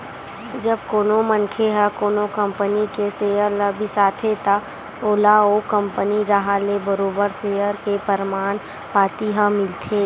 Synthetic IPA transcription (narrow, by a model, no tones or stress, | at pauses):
d͡ʒəb̚koːnomənkʰeɦəkoːnokə̃mpənikeseːjəɾləbʱisaːt̪ʰet̪a | oːlaokə̃mpəniɾaɦaːlebəɾoːbəɾseːjəɾkepəɾmaːn | paːt̪iɦəmɪlt̪ʰeː